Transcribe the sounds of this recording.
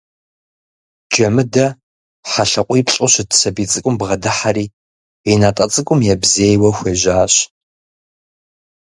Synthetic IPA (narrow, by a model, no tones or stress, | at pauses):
d͡ʒɐmɨdɐ | ħaɬɐqʷʼiːpɬʼʊɕɪtsɐbiːt͡sʼɨkʷʼʊmbʁɐdaħariː | enaːtʼɐt͡sʼɨkʷʼʊmjɛbzeːjwɐxʷeʒaːɕ